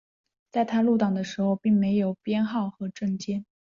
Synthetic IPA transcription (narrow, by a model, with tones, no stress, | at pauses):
t͡sa˥˩ɪt̪ʰa˥lu˥˩t̪ɑ˨˩ŋd̪ə˩˦ʂɻ̩˧˥xo˧ʊpi˥˩ŋme˧˥ɪjo˨˩ʊpjɛ˥nxɑ˥˩ʊxɤ˧˥ʈ͡ʂɤ˥˩ŋt͡ɕjɛ˥n